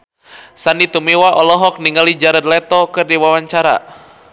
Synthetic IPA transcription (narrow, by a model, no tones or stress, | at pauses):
sanit̪umiwaʔɔlɔɦɔk̚niŋalid͡ʒaɾəd̪̚lɛt̪ɔkɨrdiwawaɲt͡ʃaɾa̰